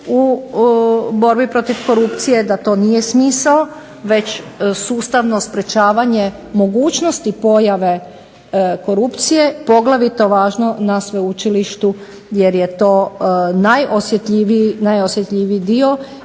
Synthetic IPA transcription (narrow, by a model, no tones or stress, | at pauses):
u | bo̞ɾbipɾo̞t̪iʋko̞ɾupt̪sije̞d̪at̪o̞ːnijesmiːsao | ʋe̞t͡ɕsuːst̪aʋno̞spɾe̞t͡ʃaːʋaɲe̞ | mo̞ɡuːt͡ʃnost̪ipo̞jaʋe | ko̞ɾupt̪sije̞po̞ɡlaʋit̪o̞ʋaːʒno̞nasʋeut͡ʃiliʃt̪u | je̞ɾjet̪o̞ːnajʔosjet̪ʎiʋinajosjet̪ʎʲiʋid̪io̞